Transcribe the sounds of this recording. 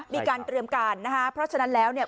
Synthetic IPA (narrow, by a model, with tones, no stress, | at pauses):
miː˧kaː˧nt̪ɾi˧əmkaː˧nːa˦˥kʰa˦˥pʰɾɔ˦˥t͡ɕʰa˧na˦˥nlɛː˦˥wni˥˩ɐ